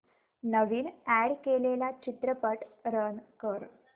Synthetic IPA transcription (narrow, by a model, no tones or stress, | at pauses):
nəʋiːnæɽkelelat͡ɕit̪ɾəpəʈɾənkəɾ